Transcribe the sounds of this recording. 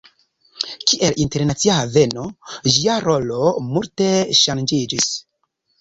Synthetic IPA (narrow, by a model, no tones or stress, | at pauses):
kiʔe̞linte̞ɾnat͡siave̞no̞ʒiaɾo̞lo̞multe̞ʃand͡ʒid͡ʒis